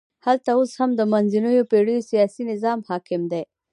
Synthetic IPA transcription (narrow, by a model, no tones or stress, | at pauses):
halt̪aoshamd̪əmanzinujopeɽujosijɑsinɪzɑmhɑkɪmd̪e